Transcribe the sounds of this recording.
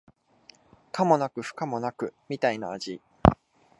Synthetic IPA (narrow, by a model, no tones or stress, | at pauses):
kamo̞nakɯ̟ɸɯ̟̥kamo̞nakɯ̟mʲit̪ainaːʑi